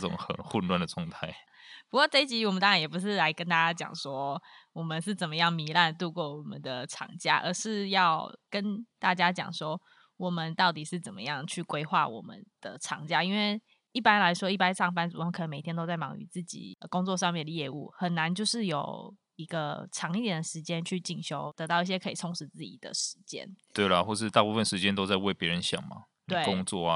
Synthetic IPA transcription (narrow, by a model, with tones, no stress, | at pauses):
ʈ͡ʂʊ̰˨˩ŋxə̰˨˩nxu˥˧nlwa˥˧nd̪ə˨t͡sʰʊ˧˥ŋt̪ʰa˥˧ɪ | pu˧˥kwɔ˥˧ʈ͡ʂe˥˩ɪt͡ɕi˧˥wɔ˨˩mə˨nt̪ɑ˥ŋɻa˧njɛ˨˩p̬u˧˦ʂɻ̩˥˩la˧˥ɪkə˦nt̪a˥t͡ɕja˥t͡ɕjɑ̰˨˩ŋʂwɔ˦˥wɔ˨˩mə˨nʂɻ̩˥˩t͡sə˨˩nmə˦jɑ˥˩ŋmi˧˥la˥˧nt̪u˥˧kwɔ˥˩wɔ˨˩mə˨˦nd̪ə˨˩ʈ͡ʂʰɑ̰˨˩ŋt͡ɕja˥ʔə̰˧˥ʂɻ̩˥˧jɑ˥˩ʊkə˦nt̪a˥˩t͡ɕja˥t͡ɕjɑ̰˨˩ŋʂwɔ˦˥ | wɔ˨˩mə˨˦nt̪ɑ˥˩ʊt̪i˨˩ʂɻ̩˥˩t͡sə˨˩nmə̰˦jɑ˥˩ŋt͡ɕʰy˥˩kwe˥ɪxwa˥˩wɔ̰˨˩mə̰˦nd̪̥ə̰˨ʈ͡ʂʰɑ̰˨˩ŋt͡ɕja˥i˥nwe˥˩ɪ | i˥˩pa˥nla˧˥ɪʂwɔ˥i˥˩p̬a˥nʈ͡ʂʰɑ˥˩ŋfa˥nt͡s̩˨˩˨ə˧˦kʰə˨˩nə˧nme˨˩ɪt̪ʰjɛ˥nt̪o˥ʊt͡sa˥˩ɪmɑ̰˨˩ŋy̰˧˦t͡sɹ̩˥˩t͡ɕḭ˨˩˧kʊ˥ŋt͡swɔ˥˧ʂ̬ɑ˥˧ŋmjɛ˥˩nd̪ə˩jɛ˥˧ṵ˥˩xə˨˩nːa˧˦nt͡ɕjo˥˧ʊʂɻ̩˥˩jo˨˩ʊ | i˧˥ɡə˧ʈ͡ʂʰɑ˧˥ŋi˥˩jɛ˨˩nd̪ə˩ʂɻ̩˧˥t͡ɕjɛ˦nt͡ɕʰy˥˩t͡ɕi˨˩ŋɕjo˧˥ʊt̪ɤ˧˥t̪ɑ˥˧ʊi˥˩ɕjɛ˥kʰɤ˧˥i˨˩tʰʊ˧˥ŋʂɻ̩˧˦t͡sɹ̩˥˩t͡ɕḭ˨˩d̪̥ə̰˨ʂɻ̩˧˦t͡ɕjɛ̰˥nt̪we˥˩ɪlə˩xwɔ˥˩ʂɻ̩˥˧t̪a˥˧pu˥˧fə˨nʂɻ̩˧˦t͡ɕjɛ˥nt̪o˥ʊt͡sa˥˧ɪwe˥˩ɪpjɛ˧˦ɻə˧˦nɕjɑ̰˨˩ŋma̰˨˦ | nt̪we˥˩kʊ˦ŋt͡swɔ̰˥˩˨